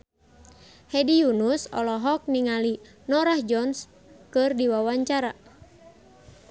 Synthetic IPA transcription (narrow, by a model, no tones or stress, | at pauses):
hɛdijunusɔlɔɦɔk̚niŋali | nɔɾahd͡ʒɔns | kɨrdiwawaɲt͡ʃaɾa